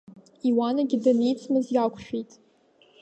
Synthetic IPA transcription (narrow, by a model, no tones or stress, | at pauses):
iwanaɡʲɪdanijt͡sʰmɨzjakʷʰʃᶣijtʼ